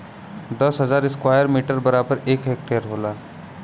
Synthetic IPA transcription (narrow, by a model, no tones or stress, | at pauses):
d̪əsɦəd͡zaɾiskʋajəɾmiʈəɾbəɾabəɾekɦek̚ʈeəɾɦola